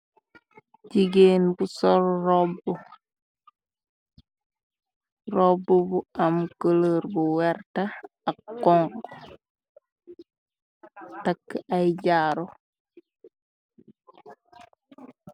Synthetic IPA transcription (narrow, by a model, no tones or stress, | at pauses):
ɟiɡeːnbusɔɾrɔbːu | rɔbːubuamkələɾbuwɛɾta | akːɔŋk | takːajɟaːɾo